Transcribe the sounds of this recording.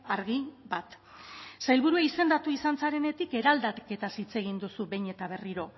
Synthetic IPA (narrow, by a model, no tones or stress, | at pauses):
aɾɣibat̪ | sajlβuɾuaise̞nd̪at̪uisant͡saɾe̞ne̞t̪ike̞ɾald̪atke̞t̪asit͡se̞ɣind̪usuβe̞jɲe̞t̪aβ̞e̞riɾo̞